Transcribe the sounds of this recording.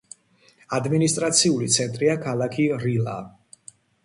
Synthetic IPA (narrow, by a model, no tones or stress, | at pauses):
ad̪minist̪ʼɾat̪sʰiulit̪sʰɛnt̪ʼɾiakʰalˠakʰiɾila̰